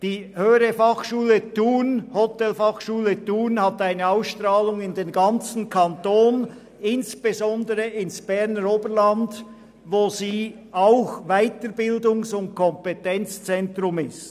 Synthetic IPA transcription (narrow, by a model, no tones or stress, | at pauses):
d̥iːhøːəɾəfɑχʃuːlətuːnhɔtɛlfɑχʃuːlətuːnhataɪnəaʊsʃtʁaːlʊŋɪndeːnɡɑnt͡sn̩kʰantoːn | ɪnsb̥ezɔndəʁəɪnsb̥ɛʁnəɾoːbəɾland | voːziː | aʊxvaɪtəɾbɪldʊŋsʊnt̚kʰɔmpetɛnt͡st͡sɛntrʁʊmɪst